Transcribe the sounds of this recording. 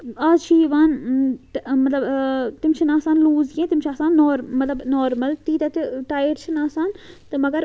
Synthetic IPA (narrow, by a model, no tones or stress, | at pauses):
aːzt͡ʃʰiːʋaːn | mɐt̪lɐbt̪imt͡ʃʰinaːsaːnluːzɡẽt̪imt͡ʃʰaːsaːnːoːɾmɐt̪lɐbnoːɾmɐlt̪iːt̪ɐt̪iʈaːjəʈt͡ʃʰinaːsaːnt̪ɨmɐɡɐɾ